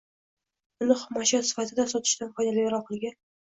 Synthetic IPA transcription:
ʊnɪχʊmaʃjat̪sɪ̥fat̪ʰɪd̪asɒt̪ʰɪ̥ʃt̪anpʰɒjnalɪjaɾɒw̚qʰɨlˠɡʲan

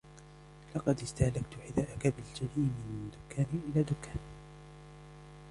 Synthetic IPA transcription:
lɑqɑd̪ɪst̪ahlakt̪ʊħɪd̪aːʔakabɪld͡ʒaliːmɪnɪd̪ʊkːaːnʔɪlaːd̪ʊkːaːn

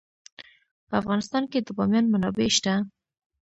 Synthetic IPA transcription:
pəafɣɑnɪst̪ɑnked̪əbɑmjɑnmanɑbeʃt̪a

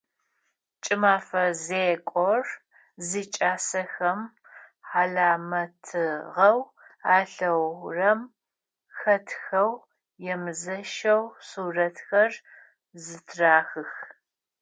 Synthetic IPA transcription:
t͡ʃʼɪmaːfɐzeːkʷʼɔr | ziːt͡ʃʼaːsɐxɐm | ħaɮaːmɐtʰɨʁɐw | aːɬɐwrɐm | xɐtʰxɐw | jɛmɨzɐʃɐwsuːrɐtxɐr | zɨtʰraːxɨx

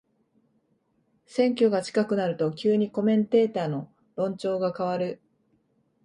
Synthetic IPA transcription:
sẽ̞ŋkʲo̞ɡat͡ɕi̥kakɯ̟naɾɯ̟t̪o̞kʲɨːɲ̟iko̞mẽ̞nt̪e̞ːt̪aːno̞ | ɾõ̞ɲ̟t͡ɕo̞ːɡakaβaɾɯ̟

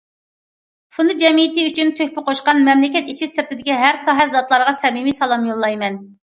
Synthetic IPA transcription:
fʰund̪ɨd͡ʒɛmijit̪ɨyt͡ʃʰynt̪ʰøhʲpɪqʰoʃqɑnmɛmlɪkʲɛt̪it͡ʃʰisɪɾt̪ʰɪd̪ɪkʲiɦæɾsɑːɦɛzɑt̪lˠɑɾʁɑsɛmimisɑlˠɑmjolˠːɑjmɛn

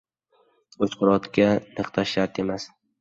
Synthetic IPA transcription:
ot͡ʃqʰʊɾɒt̪kʲanɨqt̪ʰaʃaɾt̪e̞mas

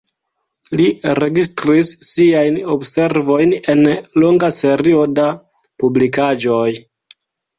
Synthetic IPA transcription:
liɾe̞ɡistɾisːiajnobse̞ɾvo̞jne̞nlo̞ŋɡase̞ɾio̞da | publikad͡ʒo̞j

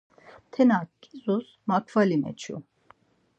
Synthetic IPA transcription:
t̪ʰɛnakkʼːizus | makʰvalimɛ̰t͡ʃʰṵ

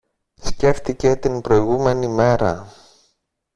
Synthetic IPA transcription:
sce̞ft̪ice̞t̪inbɾo̞iɣume̞nime̞ɾɐ̰

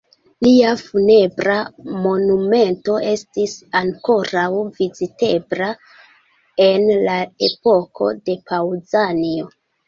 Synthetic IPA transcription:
liafune̞bɾamo̞nume̞nto̞e̞stisaŋko̞ɾawvizite̞bɾa | e̞nlae̞po̞kʰo̞̰de̞pawzanio̞

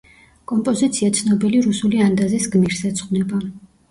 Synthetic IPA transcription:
kʼɔmpʼɔzit̪sʰiat̪sʰnɔbiliɾusuliand̪azisɡmiɾsɛt̪sʰʼχʼnɛba

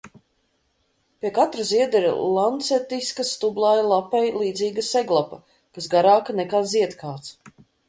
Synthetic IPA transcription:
pʲiɛkat̪ɾɐziɛd̪ɛɾ̰lˠant̪sɛt̪iskɐst̪ublˠaːjalˠapɛjlˠiːd̪ziːɡɐsɛɡlˠapɐ | kasɡaɾaːkɐnɛkaːziɛt̪kaːt̪s

